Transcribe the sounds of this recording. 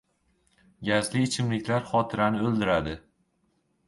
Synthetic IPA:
ɡʲazlɪːt͡ʃʰɪmlɪkʲlaɾχɒt̪ʰɪɾanɪɵld̪ɪɾad̪ɪ

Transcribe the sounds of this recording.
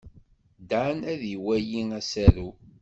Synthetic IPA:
d̪anæðiwæjiæsæɾu

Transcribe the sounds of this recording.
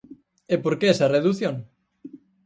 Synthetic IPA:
epoɾkeesɐreðuθjõŋ

